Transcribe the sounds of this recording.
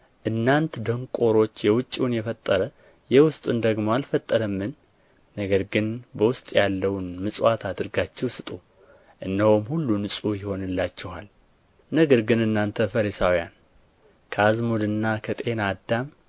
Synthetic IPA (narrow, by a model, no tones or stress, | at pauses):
ʔɨnːant̪d̪əŋkʼo̞ɾo̞t͡ʃːjɛwʊt͡ʃʼːunjɛfət̪ʼːəɾə | jɛwʊst̪ʼund̪əɡmoalfət̪ʼːəɾəmːɨnː | əɡəɾɡɨnbəwʊst̪ʼjalːəwnmɨsʼat̪ʰad̪ɨɾɡat͡ʃːɛwsɨt̪ʼu | ʔɨnːəhomhulːunɨsʼujɪho̞nɨlːat͡ʃːɛha̰l | nəɡəɾɡɨnɨnːant̪ʰəfəɾisawja̰n | kʰəazmud̪ɨnːakʰət̪ʼe̞nad̪am